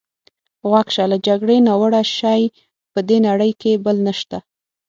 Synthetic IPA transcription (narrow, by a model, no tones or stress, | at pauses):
ɣwakʃalad͡ʒaɡɽenawəɽaʃɑj | pəd̪enaɽəjkebəlnəʃt̪a